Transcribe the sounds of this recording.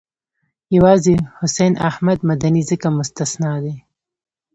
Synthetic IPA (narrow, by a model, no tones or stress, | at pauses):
jawɑzehʊsejnʔa̰hmad̪mad̪anizəkamʊst̪asnɑːd̪e